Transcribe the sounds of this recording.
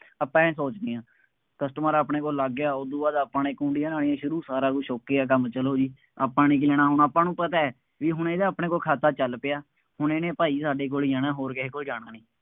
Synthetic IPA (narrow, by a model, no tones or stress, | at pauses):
əpːãːsoːt͡ʃd̪ijãː | kəsʈəməɾaːpɳeːk̬oːlːəɡjaːod̪uːʋaːd̪aːpãːneːkũːɳɖɪjãːnaːɽijãːʃʊɾuːsaːɾaːkuːʃoːkeaːk̬əmt͡ʃəloːd͡ʒiː | əpːãːniːk̬ilɛːɽaːɦʊnaːpːãːnũːpət̪aːɛː | ʋiːɦʊɳeːd̪aaːpɳeːkoːlkʰaːt̪aːt͡ʃəlpeːaː | hʊneːnẽːpaːiːsaːɖeːk̬oːlid͡ʒaːnãːɦoːɾkeɦeːkoːld͡ʒaːɽ̃aːnĩː